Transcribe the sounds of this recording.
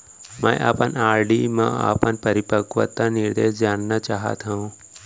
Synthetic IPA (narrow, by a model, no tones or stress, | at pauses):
mɛ̃ʔa̰ːpənaːɾɖimãa̰ːpənpɐɾɪpəkʋə̰t̪ːanɪɾd̪eːsd͡ʒaːnːat͡ʃaːɦə̰t̪ɦaũ